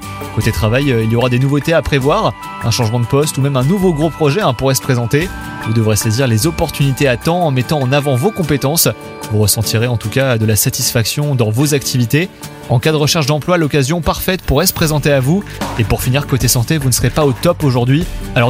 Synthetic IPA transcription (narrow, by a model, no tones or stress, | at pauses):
kot̪et̪χavajøiljɔʁad̪enuvot̪eapχevwaʁ | ɛ̃ʃɑ̃ʒmɑ̃d̪əpɔst̪umɛmɛ̃nuvoɡʁopχɔʒɛɛ̃puʁɛsə̥pχezɑ̃t̪e | vud̪əvʁeseziʁlezɔpɔʁt̪ynit̪eat̪ɑ̃ːmɛt̪ɑ̃ːnavɑ̃vokɔ̃pet̪ɑ̃s | vuʁəsɑ̃t̪ʰiʁeɑ̃t̪ukad̪əlasat̪isfaksjɔ̃d̪ɑ̃vozak̚t̪ʰivit̪e | ɑ̃kad̪əʁəʃɛʁʃd̪ɑ̃plwalɔkazjɔ̃paʁfɛt̪puʁɛsə̥pχezɑ̃t̪eavuepuʁfiniʁkot̪esɑ̃t̪evunəsəʁepaot̪ɔpoʒuʁd̪ɥialɔʁ